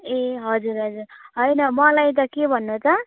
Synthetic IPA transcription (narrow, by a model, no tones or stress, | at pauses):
eɦʌd͡zuɾɦʌd͡zurɦʌjnʌmʌlajt̪̬ʌkebʱʌnːot͡sʌ